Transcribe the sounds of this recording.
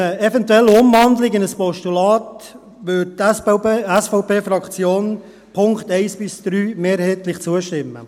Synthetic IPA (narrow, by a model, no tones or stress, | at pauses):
əɛvɛntwɛlːəʊmvɑnd̪lɪɡɪnəspɔʃtulɑːt | ʋʏtː | ɛsfɔʊpʰeːfɾɑkt͡sjoːn | pʰʊŋkt̪ɛɪsb̥ɪsd̥ɾyːmeːɾhɛɪt̪lɪχt͡suəʃtɪmːə̰